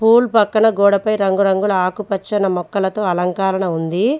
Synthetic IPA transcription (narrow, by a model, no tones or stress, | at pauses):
pʰuːlpɐkːɐɳɐɡɔːɽɐpɐjɾɐŋɡuɾɐŋɡulɐaːkupɐt͡ʃːɐnɐmɔkːɐlɐt̪oːɐlɐŋkaːɾɐɳɐund̪i